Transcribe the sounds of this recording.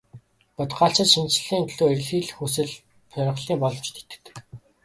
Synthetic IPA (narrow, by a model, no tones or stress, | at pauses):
pʊt̪ɢaːɬt͡sə̆t̪ʃint͡sɮiːŋɮuːerɮiːɮxusɘ̆ɮ | pʰœɾ̆χɮiːpɔɮɞwt͡ɕt̪ʰe̥t̪ɘ̥̆t̪̆